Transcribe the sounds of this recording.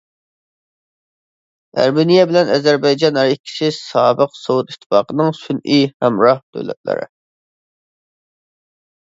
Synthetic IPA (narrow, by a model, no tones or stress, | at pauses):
æ̰ɾmɪnijɛbɪlɛnɛzæɾbɑjd͡ʒɑnæɾikʲʰːi̥ʃɪsɑːbəqsowut̪it̪ʰːɨ̥fɑ̰ːqənɨŋsynihæmɾɑhd̪̥ø̰lɛ̰t̪̚lɪ̰ɾɪ̰